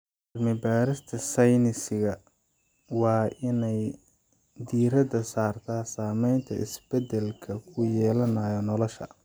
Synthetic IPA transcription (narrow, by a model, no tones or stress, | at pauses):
ɐrmɪbaːɾɪst̪ʰɐsɐjnɪsɪɣɐ | wɑːʔɪnɛj | d̪iːɾɐd̪ɐsaːrt̪ʰaːsaːmɛjnt̪ʰɐʔɪ̰sb̥ɛd̪ɛlkʰɐkʰʊjɛːlɐnaːjɔnɔlɔʃɐ̰